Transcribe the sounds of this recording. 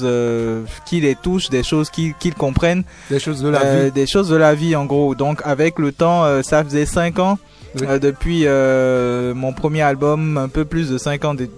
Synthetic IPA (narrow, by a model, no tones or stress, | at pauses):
zøkʲilet̪uʃd̪eʃozkʲikʲilkɔ̃pχɛn | eʃozd̪ɛʃozd̪əlaviɑ̃ɡʁod̪ɔ̃kavɛklət̪ɑ̃øsafəzɛsɛ̃kɑ̃ | ød̪əpɥiø | mɔ̃pχəmjealbɔmɛ̃pøplys̬d̪əsɛ̃kɑ̃d̪e